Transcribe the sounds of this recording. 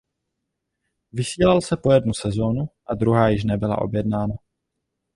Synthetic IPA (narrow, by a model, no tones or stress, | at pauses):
vɪsiːlalsɛpo̞jɛdnusɛzo̞nuʔad̪ɾuɦaːjɪʃ̬nɛbɪla̰ʔo̞̰bjɛdnaːna